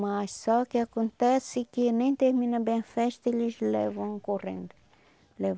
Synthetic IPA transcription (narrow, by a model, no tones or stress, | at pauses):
maʃsɔkeakõnt̪ɛsɪkɪnẽj̃t̪eɾminɐbẽfɛʃt̪ɐelizlɛ̰vɐ̃w̃korḛ̃nd̪u | lɛv